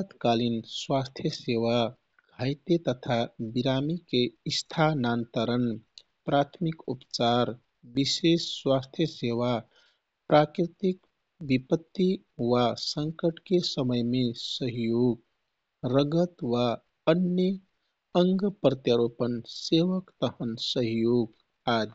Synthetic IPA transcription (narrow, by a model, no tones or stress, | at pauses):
at̪kalinswast̪ʰjəseʋa | ɡʱəjt̪et̪ət̪ʰabiɾamikeist̪ʰanant̪əɾən | pɾat̪ʰmikupt͡ʃaɾ | bisesːwast̪ʰjəseʋa | pɾakɾit̪ik | bipət̪ːi | wasəŋkəʈkesəməjmesəɦjoɡ | ɾəɡət̪wa | ənjə | əŋɡpɾət̪jaɾopənseʋəkt̪əɦənsəɦjoɡ | ad͡ʒ